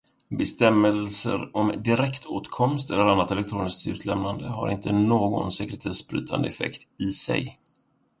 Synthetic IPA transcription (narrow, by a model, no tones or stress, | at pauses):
bɛst̪ɛmːɛlsə̰ɾɔmd̪ɪɾɛkt̪ʰoːt̪kʰɔmst̪ɛlːəɾanːat̪ɛlɛk̚t̪ʰɾuːnɪskt̪ʉ̟ːt̪ʰlɛmnand̪əɦa̰ɾɪ̰nt̪ʰənoːɡɔ̰nsɛkɾɛt̪ʰeːsbɾy̰ːt̪ʰa̰nd̪əɛfɛ̰kt̪ɪsɛ̰j